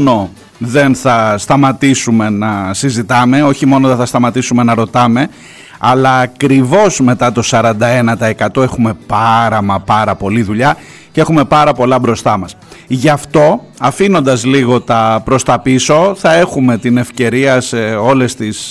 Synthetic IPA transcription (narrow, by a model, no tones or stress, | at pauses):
no̞ | ðe̞nθɐst̪ɐmɐt̪isume̞nɐsizit̪ɐme̞o̞çimo̞noðeθɐst̪ɐmɐt̪isume̞nɐɾo̞t̪ɐme̞ | ɐlɐːkɾivo̞zme̞t̪ɐt̪o̞sɐɾɐnd̪ɐe̞nɐt̪ɐekɐt̪o̞e̞xume̞pɐɾɐmɐpɐɾɐpo̞liðuʎɐ | ce̞xume̞pɐɾɐpo̞lɐbɾo̞st̪ɐmɐsʝɐft̪o̞ | ɐfino̞nd̪ɐzliɣo̞t̪ɐpɾo̞st̪ɐpiso̞θɐe̞xume̞t̪ine̞fce̞ɾiɐseo̞le̞st̪is